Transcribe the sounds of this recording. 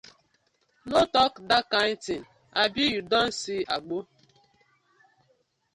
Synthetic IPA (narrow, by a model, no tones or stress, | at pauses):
notɔkdakantin̩ | abijudɔn̩siaɡ͡bo